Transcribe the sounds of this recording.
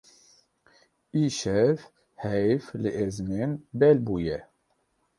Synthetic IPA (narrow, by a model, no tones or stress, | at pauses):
iːʃɛv | hɛjflɨʔezmenbɛlbuːjɛ